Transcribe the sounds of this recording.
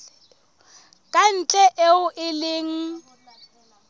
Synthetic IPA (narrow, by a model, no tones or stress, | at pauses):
kʼan̩t͡ɬʼɛʔeʊʔɪlɪŋ̩